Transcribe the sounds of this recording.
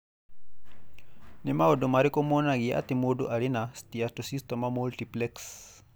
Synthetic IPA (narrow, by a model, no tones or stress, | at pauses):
nimaɔdɔmaɾikɔmɔnaɣia̰t̪imodoʔalinastiatosistɛmamultiplɛks